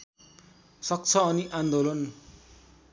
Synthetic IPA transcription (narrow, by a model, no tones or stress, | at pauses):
sʌk̚t͡sʰʌːniʔand̪olʌn